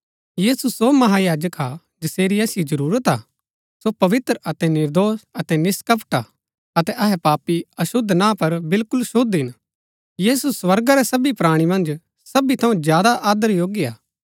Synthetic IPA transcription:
jiːsusomɐɦajaːd͡ʒəka | d͡ʒɪseːɾiɐːsɪjod͡ʒɐɾuːɾət̪a̰ | sopɐʋɪt̪ɾəɐt̪ɛnɪɾd̪oːsɐt̪ɛnɪskɐpʰʈa | ɐt̪ɛʔɐɦɛpaːpiɐʃʊd̪ʱnãpɐɾbɪlkʊlʃʊd̪ɦɪn | jiːsuswɐɾɡaɾɛsɐbipɾaːɽ̃imɐ̃nd͡ʒ | sɐbit̪ʰɐ̃ũzjaːd̪aʔaːd̪əɾjoːɡia̰ː

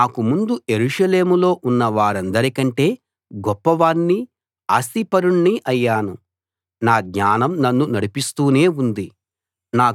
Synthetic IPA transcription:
aːkumund̪uje̞ɾuːʂɐle̞ːmulo̞ːʔunːɐʋaːɾɐnd̪ɐɾikɐɳʈe̞ː | ɡɔpːɐʋaːnːi | a̰ːst̪ipɐɾuɳːiʔɐjːaːnu | naːɡɲaːnɐmnɐnːunɐɽipist̪uːne̞ːund̪i | naː

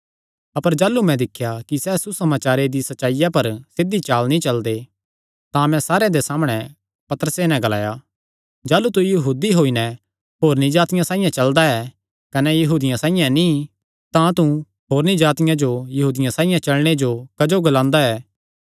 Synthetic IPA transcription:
ɐpəɾd͡ʒaːlːumɛ̃d̪ɪkʰːjakisɛːsusɐmaːt͡ʃaːɾed̪isɐt͡ʃːʃaːɪjapɐɾsɪd̪it͡ʃaːlnĩt͡ʃɐld̪e | t̪ãmɛ̃saːɾeãd̪esaːmɽ̃ɛ | pɐt̪əɾəsenɛ̃ɡɐla̰ːja | d͡ʒaːlut̪̬ujɐɦuːd̪iɦoːinɛ | ɦoːɾnĩd͡ʒaːt̪ɪjãsãːɪ̃jãt͡ʃɐld̪aɛ | kɐnɛjɐɦuːd̪ɪjãsaːijãnĩ | t̪ãt̪u | ɦoːɾnĩd͡ʒaːt̪ɪjãd͡ʒojɐɦuːd̪ɪjãsãːɪjãt͡ʃɐlɽ̃ed͡ʒokɐd͡ʒoɡɐlãːnd̪aɛː

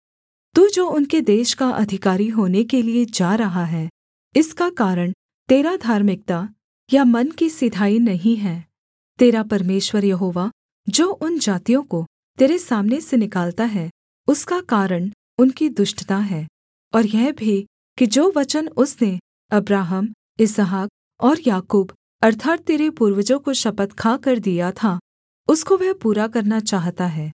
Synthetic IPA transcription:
t̪uːd͡ʒoːʊnked̪eːʃkaʔɐ̰d̪ʱɪkaːɾiɦoːnekelied͡ʒaːɾɐɦaɦɛː | ɪskakaːɾəɽ̃ | t̪eːɾad̪ʱaːɾmɪk̚t̪a | jamɐnkisɪd̪ʱaːinɐɦĩɦɛː | t̪eːɾapɐɾmeːʃwəɾjɐɦoːʋa | d͡ʒoːʔʊnd͡ʒaːt̪ijõko | t̪eːɾesaːmnesenɪkaːlt̪aɦɛ | ʊskakaːɾəɽ̃ | ʊnkid̪ʊʃʈət̪aɦɛː | ɔːɾjɛɦbʱi | kid͡ʒoːʋɐt͡ʃənʊsne | ɐbɾaːɦəm | ɪzəɦaːk̚ | ɔːɾjaːkuːb | ɐɾt̪ʰaːt̪̚t̪ːeːɾepuːɾʋəd͡ʒõkoʃɐpət̪kʰakɐɾd̪ijat̪ʰa | ʊskoʋɛɦpuːɾakɐɾnat͡ʃaːɦt̪aɦɛː

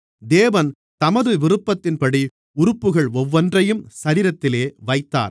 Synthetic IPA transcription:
d̪eːʋɐn | t̪ɐmɐðɯʋɪɾɯpːɐt̪ːɪnpɐɽi | ʊɾɯpːɯɣɐɭɔʋːɐndrɐjɯmsɐɾiːɾɐt̪ːɪleːʋɐɪt̪ːa̰ːɾ

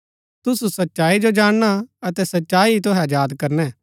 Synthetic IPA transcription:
t̪ʊsusɐtːʃaːid͡ʒod͡ʒaːɽ̃ɽ̃aɐt̪ɛsɐtːʃaːit̪ʊɦɛ̃jaːd̪kɐɾnɛ̃ː

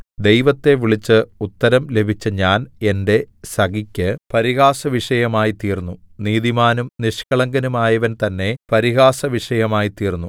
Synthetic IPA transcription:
d̪ejʋɐt̪ːe̞ʋiɭit͡ɕːɨut̪ːɐɾɐmle̞bʱit͡ɕːɨɲaːne̞nde̞sɐɡikʲːɨpɐɾiɣaːsɐʋiʂɐjɐmaːjit̪iːrnːuniːðimaːnumniʂkɐɭɐŋɡɐnumaːjɐʋɐnt̪ɐnːe̞pɐɾiɣaːsɐʋiʂɐjɐmaːjit̪iːrnːu

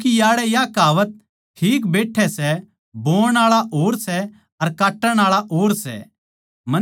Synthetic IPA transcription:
kijaːɽɛjakaːʋət̪̚ | ʈʰiːk̬beːʈʰːɛsɛ | boːɽ̃aːɭaʔoːɾsɛ | ɐɾkaːʈːəɽ̃aːɭaʔoːɾsɛ̰ | mɐ

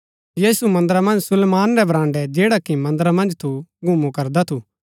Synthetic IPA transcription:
jiːsumɐ̃nd̪əɾamɐ̃nd͡ʒsʊlːmaːnɾɛbɾãːɳɖɛd͡ʒeːɽakimɐ̃nd̪əɾamɐ̃nd͡ʒt̪ʰuɡʱʊmũkɐɾd̪at̪ʰu

